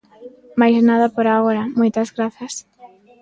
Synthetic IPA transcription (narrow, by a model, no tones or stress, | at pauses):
majznaðɐpoɾaɣoɾamojt̪azɣɾaθjas